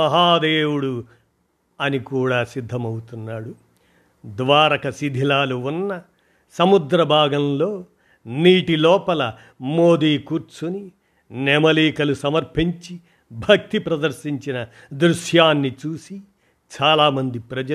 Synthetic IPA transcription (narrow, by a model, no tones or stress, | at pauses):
ɐɦaːd̪eːwuɽu | ɐnikuːɽaːsid̪ʱːɐmɐwut̪unːaːɽu | d̪ʋaːɾɐkɐsid̪ʱilaːluunːɐ | sɐmud̪ɾɐbʱaːɡɐmlo̞ː | niːʈilɔːpɐlɐ | mo̞ːd̪iːkuɾt͡ʃuni | nɛmɐliːkɐlusɐmɐɾpʰiɲt͡ʃi | bʱɐk̚t̪ipɾɐd̪ɐɾʃiɲt͡ʃinɐ | d̪ɾuʃjaːnːit͡ʃuːsi | t͡ʃaːlaːmɐnd̪ipɾɐd͡ʒɐ